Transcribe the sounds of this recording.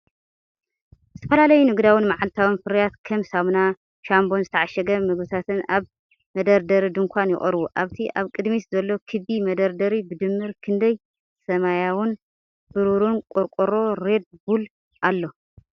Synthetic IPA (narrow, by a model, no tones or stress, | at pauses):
zɨt̪ʰɐ̥fɐlalɐjunɨɡd̪awɨnmaʕalt̪ʰawɨnfɨɾjat̪kʰɐmsamna | ʃambo̞nzɨt̪ʰɐʕaʃɐɡɐmɨɡbɨt̪ʰat̪ʰɨnaβ | mɐd̪ɐɾd̪ɐɾid̪ɨŋkʰʷanjɪ̰χʼɐ̰ɾwuʔaβt̪ʰiʔaβkʼɨd̪miszɐlːo̞kʰɨβimɐd̪ɐɾd̪ɐɾibɨd̪ɨmːɨɾkʰɨnd̪ɐj | sɐmajawɨn | b̥ɨɾuɾunkʼuɾkʼuɾo̞ɾe̞d̪̚bul | ʔalːo̞